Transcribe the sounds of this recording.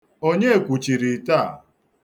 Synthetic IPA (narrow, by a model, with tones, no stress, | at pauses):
o˦ɲe˦e˨kʷu˨t͡ʃi˨ɾi˨ta˦˨